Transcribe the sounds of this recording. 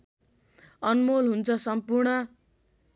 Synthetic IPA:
ʌnmolɦunt͡sʰʌsʌmpurɳʌ

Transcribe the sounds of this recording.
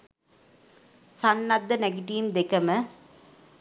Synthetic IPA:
sɐnːɐd̪ɐneɡɪʈijmd̪ɛkɐmɐ

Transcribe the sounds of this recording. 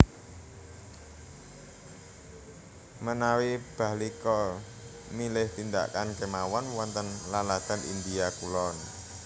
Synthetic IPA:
mənawib̥a̤likɔ | milɪht̪ind̪a̰kankemawɔnwɔnt̪ənlalad̪̥a̤nḭnd̪iakulɔn

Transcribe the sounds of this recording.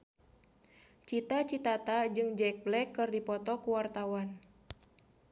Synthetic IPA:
t͡ʃit̪at͡ʃit̪at̪ad͡ʒɨŋd͡ʒɛk̚blɛkːɨrdipɔt̪ɔkuwart̪awan

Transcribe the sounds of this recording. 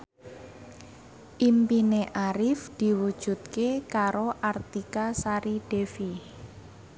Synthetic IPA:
ʔimpineʔaɾɪfd̪̥i̤wud̥ʒ̥ṳt̪̚kekaɾoʔart̪ikasaɾiɖ̥efi

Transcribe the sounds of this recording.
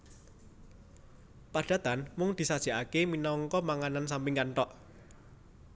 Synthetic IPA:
paɖ̥a̤t̪anmʊŋd̪̥i̤sad̥ʒ̥i̤ʔakeminɔŋkɔmaŋanansampɪŋkaɳʈɔʔ

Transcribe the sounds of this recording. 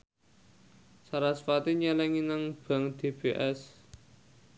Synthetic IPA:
saɾasfat̪iɲɛlɛŋinaŋb̥a̤ŋd̪̥e̤beʔɛs

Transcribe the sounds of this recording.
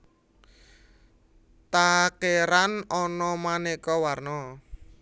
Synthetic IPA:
t̪akeɾanɔnɔmanekɔwarnɔ

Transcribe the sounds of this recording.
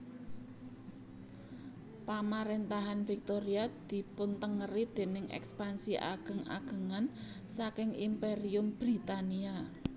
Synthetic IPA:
pamaɾent̪aɦanfik̚t̪oɾiad̪̥i̤pʊnt̪əŋəɾid̪̥e̤nɪŋʔɛ̰kspansiʔa̰ɡ̥ə̤ŋa̰ɡ̥ə̤ŋan | sakɪŋimpeɾiʊmb̥ɾit̪ania

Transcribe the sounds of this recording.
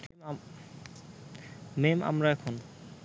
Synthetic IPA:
mema̰mɾaɛkʰon

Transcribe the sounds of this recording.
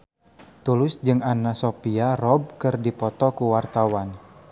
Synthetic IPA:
t̪ulʊsd͡ʒɨŋanasopiarɔb̚kɨrdipɔt̪ɔkuwart̪awan

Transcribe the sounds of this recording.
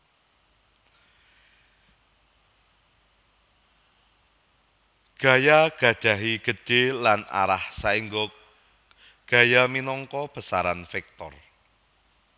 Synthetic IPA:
ɡ̥a̤jaɡ̥ä̤̥ʒ̥a̤ɦiɡ̥ə̤̥d͡ʒ̥elana̰ɾahsaiŋɡɔ | ɡ̥a̤jaminɔŋkɔb̥ə̤saɾanfɛk̚t̪ɔr

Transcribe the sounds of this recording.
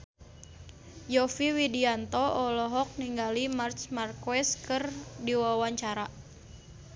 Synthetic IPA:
jɔfiwidiant̪ɔʔɔlɔɦɔk̚niŋɡalimart͡ʃmarkɛskɨrdiwawaɲt͡ʃaɾa

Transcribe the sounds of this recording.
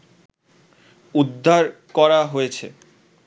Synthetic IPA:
ud̪ʱːaɾkɔɾaɦojet͡ɕʰe

